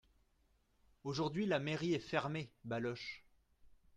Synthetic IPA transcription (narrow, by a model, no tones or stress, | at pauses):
oʒuʁd̪ɥilameʁiɛfɛʁmebalɔʃ